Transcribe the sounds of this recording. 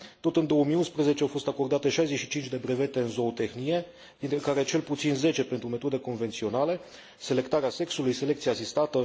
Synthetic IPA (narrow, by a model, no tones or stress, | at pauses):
t̪o̞t̪ɨnd̪o̞əmijunspɾeze̞t͡ʃeawfo̞st̪ako̞rd̪at̪e̞ʃajze̞ʃit͡ʃint͡ʃd̪e̞bɾe̞ve̞t̪e̞ɨnzo̞ːt̪e̞xnie̞ | d̪̥int̪ɾekaɾe̞t͡ʃe̞lput̪sinze̞t͡ʃe̞pent̪ɾume̞t̪o̞d̪e̞ko̞nve̞nt̪sio̞nale̞ | se̞le̞kt̪aɾease̞ksulujse̞le̞kt̪siaːsist̪at̪ə